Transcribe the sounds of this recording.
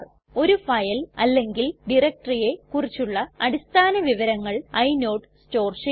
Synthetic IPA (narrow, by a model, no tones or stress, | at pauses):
o̞ɾufɐjɐlɐlːe̞ŋɡilɖirɐk̚ʈrije̞kurit͡ɕːuɭːɐɐɽist̪ʰaːnɐʋiʋɐɾɐŋːɐɭɐjno̞ːʈsto̞ːrʂi